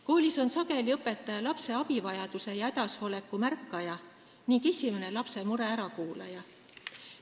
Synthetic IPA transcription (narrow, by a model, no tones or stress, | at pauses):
koːlʲiso̞nsɑɡe̞liɤpːˑe̞t̪ːˑɑjɑlɑpse̞ɑbivɑjɑd̪̥use̞jɑe̞d̪ɑsho̞le̞kːˑumærkːɑjɑ | niŋkesʲimene̞lɑpse̞muɾe̞æɾɑkuːlɑjɑ